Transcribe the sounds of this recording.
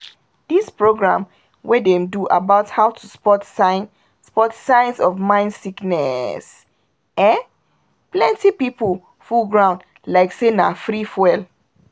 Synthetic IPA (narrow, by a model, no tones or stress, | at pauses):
d̥ispɹoɡɹã̰m | wʔɛdɛmduʔabaʊthaʊtʰuspɔtsan | spɔtsãɪ̃nsɔvmãɪ̃ndsiknɛ̰s | ɛ̃ | plɛ̃ntipipəl | fulɡɹãʊ̃nd | laɪksenafɹifwɛl